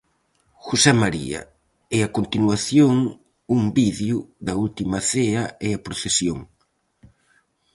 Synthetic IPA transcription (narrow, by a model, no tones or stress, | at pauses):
xosɛmaɾḭɐ̰ | ɛakont̪inwaθjoŋ | umbiðjʊðɐult̪imɐθeɐeɐpɾoθesjoŋ